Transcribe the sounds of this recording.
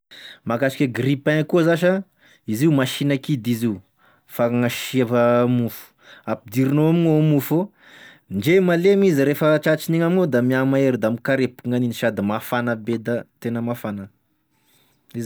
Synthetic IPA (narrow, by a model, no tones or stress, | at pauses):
makaʃi̥kʲeɡripɛŋkuzaʃ̬ə | iziumaʃinəkid̪iziu | faŋaʃiavəmufu̥apid̪iɾinoaminomufo | ɳɖ͡ʐemalemiziɾefət͡ʃat͡ʃiniŋamiŋod̪amiamaeɾid̪amikaɾepuŋaniniʃad̪imafanəbed̪ət̪enəmafanə | iz